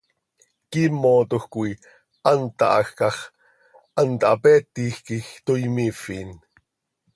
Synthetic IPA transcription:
kiːmoːt̪oxkui | ʔɑnt̪ɑ̰ʔɑ̰xkɑχ | ʔɑnt̪ɑɑ̰pɛːt̪ːiːxkixt̪oimifiːn

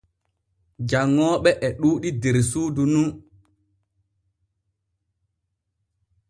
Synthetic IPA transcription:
d͡ʒaŋːɔːɓɛʔɛɗuːɗideɾsuːdunu

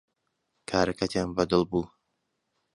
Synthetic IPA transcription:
kʰaːɾɐkʰɐt̪ʰjaːnbɐd̪ɨlˠbuː

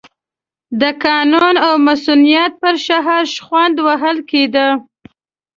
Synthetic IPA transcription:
d̪əkɑnunawmasunijat̪̚pəɾʃaɦaɾʃxwand̪waɦəlked̪ə

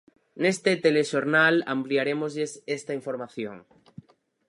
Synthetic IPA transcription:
nest̪et̪eleʃoɾnala̰mpliaɾemozʎesest̪aiɱfoɾmaθjo̰ŋ

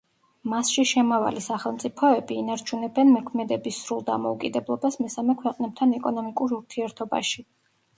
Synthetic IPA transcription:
masʃiʃɛmava̰lisaχɛlˠmt̪sʼipʰɔɛbiːnaɾt͡ʃʰunɛbɛnmɔkʰmɛd̪ɛbisɾulˠd̪a̰mɔukʼid̪ɛblˠɔbasmɛsamɛkʰwɛqʼnɛb̚t̪ʰanɛkʼɔnɔmikʼuɾuɾt̪ʰiɛɾt̪ʰɔba̰ʃi

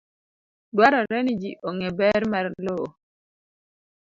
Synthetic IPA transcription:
dwaɾɔɾɛnid͡ʒiʔoŋebɛɾmaɾloo

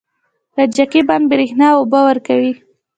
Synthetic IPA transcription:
ɾad͡ʒakeban̚bɪɾexnɑobawəɾkawi

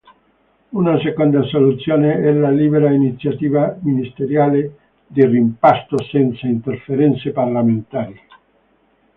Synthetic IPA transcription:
unasekond̪asolut̪sjoːneɛlaliːbeɾainit̪sjat̪iːvaminist̪eɾjaːle | d̪irimpast̪osɛnt̪saint̪erfeɾɛnt̪separlament̪aːɾi

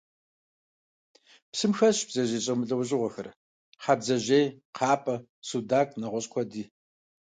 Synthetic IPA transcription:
psɨmxɐɕb̥z̥ɐʑeːɕʼɐmɨɬʼɐwɕʼɪʁʷɔxɐr | ħaːbzɐʑeːjqʰɑːpʼɐ | sudaːkʼnɐʁʷɔɕkʷʰɔdiː

